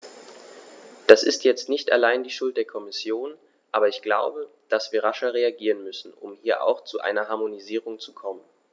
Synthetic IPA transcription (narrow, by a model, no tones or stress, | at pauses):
d̥asɪstjɛt͡stnɪçta̰laɪndiːʃʊlt̚d̥eːɐkʰɔmɪsjoːn | ʔaːbɐɪçɡ̥laʊbə | d̥asv̥iːɐʁ̞aʃɐʁeaɡiːʁ̞ənmʏsn̩ʔʊ̰mhiːɐʔa̰ʊxt͡suʔa̰ɪnɐɦaɐmoniziːʁ̞ʊŋt͡sukʰɔmən